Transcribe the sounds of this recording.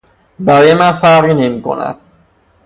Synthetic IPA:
bæɾojmænfæɾinemiko̰næ̰d̪̥̚

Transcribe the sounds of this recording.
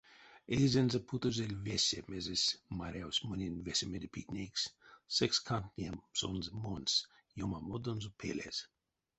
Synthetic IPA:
ejzenzapʰut̪ozelʲvesʲemezesʲmaɾʲawsʲmɨnʲinʲvesʲemed̪ʲepʰit̪nʲekssɛkskʰant̪nʲiɛmsonzmons | jomamod̪onzupʰḛlʲḛz̥

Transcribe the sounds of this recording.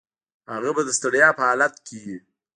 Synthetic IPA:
haɣabad̪əst̪əɽjɑpəhɑlat̪̚kʰiɡi

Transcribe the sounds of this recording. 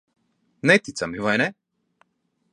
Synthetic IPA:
nɛt̪it̪samivajnɛ

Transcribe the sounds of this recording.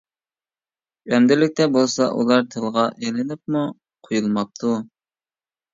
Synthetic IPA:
ɛmd̪ɪlɪk̚ʲt̪ɛbolˠsɑʔṵlˠɑɾt̪ʰelˠʁɑʔelɪnɪp̚mu | qʰojulˠmɑp̚t̪ʰu

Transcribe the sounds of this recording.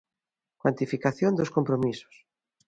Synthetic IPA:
kwant̪ifikaθjond̪oskompɾomisʊ̥s

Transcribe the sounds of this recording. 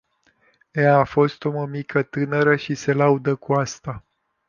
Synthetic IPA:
eaːfo̞st̪omomikʰət̪ɨnəɾəʃise̞laud̪əkuast̪a

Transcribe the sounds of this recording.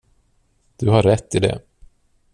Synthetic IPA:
d̪̥ɵɦaɾɛt̪ːɪd̪ɛ̰

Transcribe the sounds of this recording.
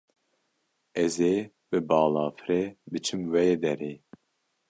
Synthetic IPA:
ɛzeː | bɨbɑːlɑːfɨɾebɨt͡ʃʰɨmwɛjeːd̪ɛɾeː

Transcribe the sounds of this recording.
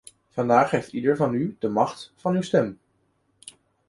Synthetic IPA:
v̥ɑndaːχejftidəɹvɑnydəmɑχtfɑnywstɛm

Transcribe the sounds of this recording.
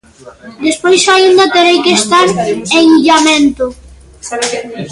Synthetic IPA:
d̪espojsaund̪at̪eɾejkest̪aɾeŋiʎamẽnt̪ʊ

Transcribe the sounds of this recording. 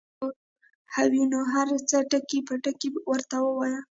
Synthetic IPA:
hawjunoɦaɾt͡saʈəkepaʈəkewəɾt̪awəwaja

